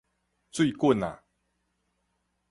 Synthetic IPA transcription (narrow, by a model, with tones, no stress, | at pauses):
t͡swi˥˧kwə˥˨na̰˨